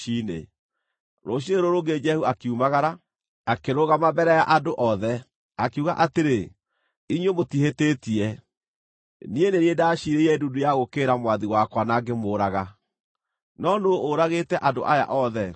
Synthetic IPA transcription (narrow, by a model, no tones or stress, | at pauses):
inḛ | ɾoɕ̬ieɾoɾoɡed͡ʒɛhuakeumaɣaɾa | akeɾoɣamabɛɾɛjaʔadoʔɔðɛ | akeuɣa̰ʔateɾe | iɲwemotiheteːtiɛ | nieneniedaɕiɾeiɛdudujaɣokeːɾamwaðiwakwanaɡemoːɾaɣa | nɔnoːɾaɣeːtɛʔadoʔaja̰ʔɔðɛ